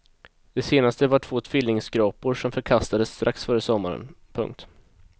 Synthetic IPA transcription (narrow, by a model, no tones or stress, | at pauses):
d̪̥ɛseːnast̪əvaʈʰv̥oːt̪ʰfʏlːɪŋsɡɾɑːpʊɾʂɔmfœɾkʰast̪ad̪əst̪ɾʔaksfœɾəsɔmːa̰ɾə̰npʰɵ̰ŋk̚t̪